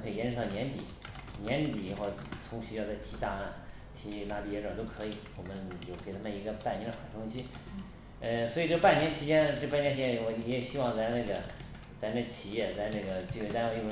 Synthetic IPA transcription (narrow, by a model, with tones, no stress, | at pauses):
kʰɤ˧˥i˨˩jɛ˥nʂɻ̩˥˧˥t̪ɑ˥˩nʲjɛ˧˥nt̪ḭ˨˩˦ | njɛ˧˥nt̪t̪i˨˩ɻi˧˥xo˥˩ʊt͡sʰʊ˧˥ŋɕy˥jɑ˥˧ʊt͡sa˥˩ɪt̪ʰi˧˥t̪a˥˧a˥˩n | t̪ʰi˧˥la˥˩i˧˩jɛ˧˥ʈ͡ʂɑ˨˩t̪o˥ʊkʰɤ˧˥i˨˩˦wɔ˨˩mə˦njo˥˩ʊkʰə˧˥˩t̪ʰa˥mə˩˨i˧˥ɡə˧pa˥˩nɛ˧˥d̪ə˧xwa̰˨˩ʈ͡ʂʰʊ˥ŋt͡ɕʰi˥ | ə˧swɔ˧˥˨ʈ͡ʂɤ˥˩ə˧pa˥˩njɛ˧˥nt͡ɕʰi˧˥t͡ɕjɛ˥nʈ͡ʂɤ˥˧pa˥˧njt͡ɕʰi˧jɛ˥˩wɔ˧˩jɛ˧˥˩ɕi˥wɑ˥˧ŋt͡sa˧˥ɪna˥˩ɡə˩ | t͡sa˧˥ɪna˥˩ɡə˩t͡ɕʰi˨˩jɛ˥˩t͡sa˧˥ɪna˥˩ɡə˩t͡ɕi˥˩wɛ˧˥t̪a˥n˧˥i˥˩˧